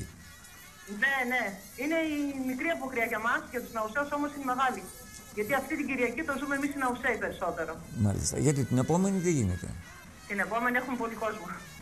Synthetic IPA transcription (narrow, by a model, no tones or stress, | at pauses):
ne̞ne̞ | ine̞imikɾiɐpo̞xɾiɐʝɐmɐsʝɐt̪uznɐuseuso̞mosineme̞ɣɐli | ʝɐt̪iɐft̪it̪iɲɟiɾiɐcit̪ozumemisinɐuseipe̞ɾiso̞t̪e̞ɾo̞mɐ̰lḭst̪ɐ̰ʝɐt̪it̪ine̞po̞me̞niðeʝinḛt̪e̞̰ | t̪ine̞po̞me̞nie̞xumepo̞liko̞zmɐ